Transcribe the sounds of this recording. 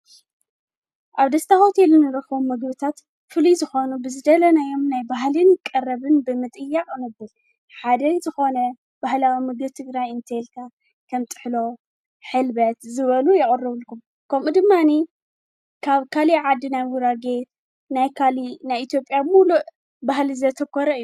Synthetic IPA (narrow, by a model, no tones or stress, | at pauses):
ʔaβd̪ɐst̪ʰaxot̪ʰelɨnːɨɾɨxɐβumːɨɡbɨt̪ʰat̪ | fɨlizɨxo̞nubɨzɨd̪ɐlɐnajo̞mnajbaɦlɨnkʼɐrːɐβɨnbɨmɨt̪ʼɨjːaχʼɨnɨbɨl | ħad̪ɐzɨxo̞nɐ | b̥ahlawimɨɡɨβt̪ʰɨɡɾajɨnt̪ʰelk̪ʰa | kʰɐmt̪ʼɨ̥ħlo̞ | ħɨlbɐt̪zɨβɐlujɪɣʼɐrːɨβɨlkʰum | kʰɐmud̪ɨmːani | kʰaβkʰaliʕad̪ːinajwʊɾaɡet̪ | najkʰalinajʔit̪jo̞pʼjabmuluʔ | bahlizɐt̪ʰɐkʰːoɾɐɨjːu